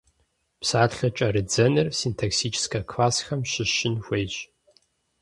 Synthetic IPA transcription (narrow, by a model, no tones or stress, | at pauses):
psaːtɬɐt͡ʃʼɐɾɨd͡zɐnɨrsintʰaksit͡ʃʰskʰɐkʰlaːsxɐmɕɪɕɪnxʷejɕʼ